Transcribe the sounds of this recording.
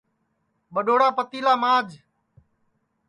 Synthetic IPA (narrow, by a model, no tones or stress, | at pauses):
ɓəɗoːɽaːpət̪iːlaːmaːd͡ʒ